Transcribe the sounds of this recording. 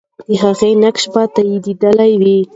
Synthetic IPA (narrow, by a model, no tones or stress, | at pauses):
d̪əɦaɣenakʃbat̪ajid̪id̪əlajwi